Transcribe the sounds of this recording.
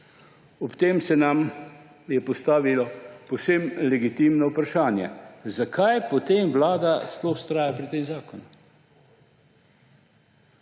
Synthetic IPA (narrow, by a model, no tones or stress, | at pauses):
ɔpt̪eːmsɛnam | jɛpɔst̪aːʋilɔpowsemlɛɡit̪iːmnɔupɾaʃaːnjɛ̰zakʰajpɔt̪eːmʋlaːd̪asplɔwst̪ɾaːjapɾit̪eːmzaːkɔnu